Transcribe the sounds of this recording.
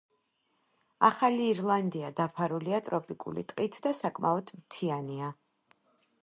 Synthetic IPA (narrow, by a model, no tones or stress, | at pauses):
a̰χaliːɾlˠand̪iad̪apʰaɾuliat̪ʼɾɔpʼikʼṵlḭt̪ʼqʼit̪ʰd̪asakʼmaɔd̪̥mt̪ʰiania